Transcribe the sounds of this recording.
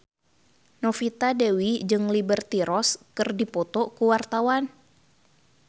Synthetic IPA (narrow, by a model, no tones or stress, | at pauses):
nɔfit̪adewid͡ʒɨŋlibərt̪iɾɔskɨrdipɔt̪ɔkuwart̪awan